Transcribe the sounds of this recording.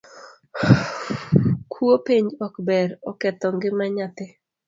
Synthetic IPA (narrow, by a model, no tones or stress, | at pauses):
kʰwopiɲɔkbɛɾɔkɛt̪ɔŋɡɪmaɲat̪ɪ